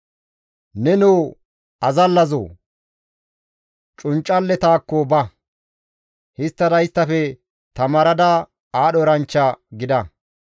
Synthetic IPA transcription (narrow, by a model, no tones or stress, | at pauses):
nɛnoː | ɐzɐlːɐzo̰ː | t͡ʃʼʊnt͡ʃʼːɐlːɛt̪aːkːɔbɐ | hɪst̪ːɐd̪ɐjɪst̪ːɐfɛ | t̪ɐmɐɾɐd̪a | aːɗɔɾɐnt͡ʃːɐɡɪd̪ɐ